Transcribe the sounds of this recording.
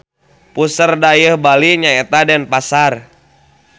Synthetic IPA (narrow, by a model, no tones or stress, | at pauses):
pusərdajəhbaliɲaɛt̪adɛnpasar